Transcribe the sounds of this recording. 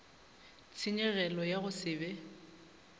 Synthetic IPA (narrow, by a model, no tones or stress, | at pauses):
t͡sʰɪɲɛɣɛlɔjaɣʊsɪːbɛ